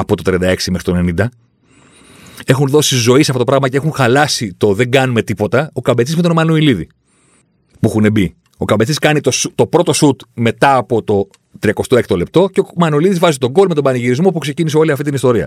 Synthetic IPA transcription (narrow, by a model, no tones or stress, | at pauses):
ɐpo̞t̪o̞t̪ɾiɐnd̪ɐe̞ksimexɾit̪one̞nind̪ɐ | e̞xunðo̞sizo̞isɐfo̞t̪opɾɐɣmɐceexunxɐlɐsit̪o̞ðe̞ŋɡɐnume̞t̪ipo̞t̪ɐo̞kɐmbet͡sizmet̪o̞nmɐnoiliðḭ | puixunebi | o̞kɐmbet͡siskɐnit̪ost̪o̞pɾo̞t̪o̞sut̪me̞t̪ɐːpo̞t̪o̞ | t̪ɾiɐko̞st̪oe̞k̚t̪o̞le̞p̚t̪o̞ceomɐnuiliðizvɐzit̪o̞ɡo̞lme̞t̪o̞bɐniʝiɾizmo̞pukse̞ciniseo̞liɐft̪it̪inist̪o̞ɾiɐ̰